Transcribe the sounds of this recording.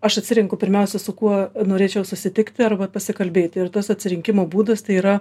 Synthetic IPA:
ɐʃɐtʲsʲɪɾʲɪŋkʊpʲɪɾʲmʲɛʊsʲɛsʊkuɔnoːɾʲeːt͡ʃʲɛʊsʊsʲɪt̪ʲɪkt̪ʲɪɐrbɐpɐsʲɪkɐlʲbʲeːt̪ʲɪrt̪oːsɐt̪ʲsʲɪɾʲɪŋʲkʲɪmoːbuːd̪ɐst̪ɐɪiːɾɐ

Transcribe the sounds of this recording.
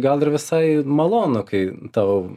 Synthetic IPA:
ɡɐlˠɪɾʋʲɪsɐɪmɐlˠoːnokɐɪt̪ɑʊ

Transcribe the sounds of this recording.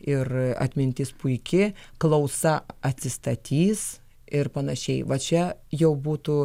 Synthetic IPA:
ɪrɐ̰t̪ʲmʲɪnʲt̪ʲɪspʊɪkʲɪklˠɐʊsɐɐt̪ʲsʲɪst̪ɐt̪ʲiːs | ɪrpɐnɐʃʲɛɪʋɐt͡ʃʲɛjɛʊbuːt̪ʊ

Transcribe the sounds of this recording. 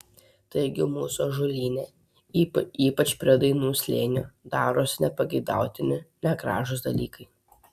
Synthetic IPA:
t̪ɐɪɡʲɪmuːsoːʒʊlʲiːnʲeː | iːpɐt͡ʃpʲɾʲiɛd̪ɐɪnuːsʲlʲḛːnʲuːd̪ɑːɾoːsʲnʲɛpɐɡʲɛɪd̪ɑ̰ˑʊt̪ʲɪnʲɪnʲɛɡɾɑ̰ːʒʊsd̪ɐlʲiːkɐɪ

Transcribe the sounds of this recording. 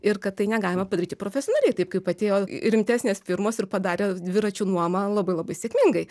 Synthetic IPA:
ɪrkɐt̪t̪ːɐɪnʲɛɡɑːlʲɪmɐpɐd̪ɐɾʲiːt̪ʲɪpɾoːfʲɛsʲonɑːlʲɛɪt̪ɐɪp̚kɐɪpɐt̪ʲeːjoːɾʲɪmʲt̪ʲæːsʲnʲeːsfʲɪɾmoːsɪrpɐd̪ɑːɾʲeːd̪ʲʋʲɪɾɐt͡ʃʲuːnuɔmɐlˠɐbɐɪlˠɐbɐɪsʲeːkʲmʲɪŋɡɐɪ

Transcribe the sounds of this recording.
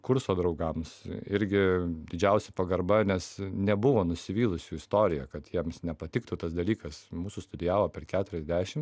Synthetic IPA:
kʊɾsoːd̪ɾɒʊɡɐmsɪɾʲɡʲɪd̪ʲɪd͡ʒʲɛʊsʲɛpɐɡɐɾbɐnʲɛsnʲɛbʊʋoːnʊsʲɪʋʲiːlˠʊsʲuːɪst̪oːɾʲɪjɛkɐt̪jiɛmsnʲɛpɐt̪ʲɪkt̪ʊt̪ɐsd̪ɐlʲiːkɐsmuːsʊst̪ʊd̪ʲɪjæːʋoːpʲɛrkʲæːt̪ʊɾʲɛzʲd̪ʲæːʃʲɪm

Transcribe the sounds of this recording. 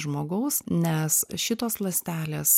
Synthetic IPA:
ʒmoːɡɐʊsnʲɛsʃʲɪt̪oːslˠɐsʲt̪ʲæːlʲeːs

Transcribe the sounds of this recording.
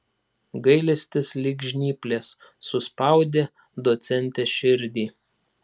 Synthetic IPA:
ɡɐɪlʲɛsʲt̪ʲɪslʲɪɡʲʒʲnʲiːpʲlʲeːsː | ʊspɐˑʊd̪ʲeː | d̪ot̪sʲɛnʲt̪ʲɛʃʲɪɾʲd̪ʲiː

